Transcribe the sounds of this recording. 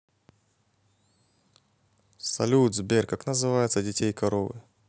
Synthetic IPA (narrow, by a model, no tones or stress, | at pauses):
sɐ̰lʲud̪zbʲerkaknəzɨvajɪt̪sədʲɪtʲejkɐɾovɨ̰